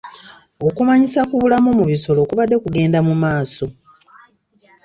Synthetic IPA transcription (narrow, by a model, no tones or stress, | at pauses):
o̞kumaɲisakuβulamomuβiso̞lokuβadːe̞kuɡe̞ːndamumaːso̞